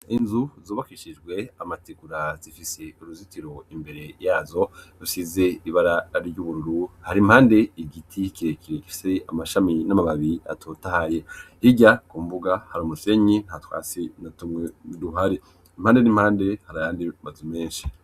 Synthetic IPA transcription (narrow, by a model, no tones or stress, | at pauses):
inzuzoβakiʃid͡ʒɡwe̞amatiɡuɾaz̥ifise̞uɾuzitiɾo̞imbe̞ɾe̞jaːzo̞dusize̞iβaɾaɾɟuːβuɾuɾuhaɾimhaːnde̞iɡitʰikiɾekiɾeki̥fi̥seamaʃaminamamaβiɾia̰tʰotahaje̞hiɟakumbuɡahaɾuːmuse̞ɲin̥hatwa̰ːsinatumŋeduɦaɾe | im̥haːndenimhaːnde̞haɾajaːndimazume̞ːnʃi̥